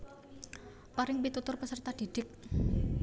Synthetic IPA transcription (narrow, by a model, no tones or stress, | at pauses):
paɾɪŋpit̪ut̪ʊrpəsərt̪ad̪̥i̤d̪̥ɪk̚